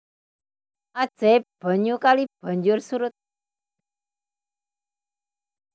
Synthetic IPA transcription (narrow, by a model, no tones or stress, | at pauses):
ad̥ʒ̥ɛb̥a̤ɲukalib̥a̤ɲd͡ʒʊrsuɾʊt̪̚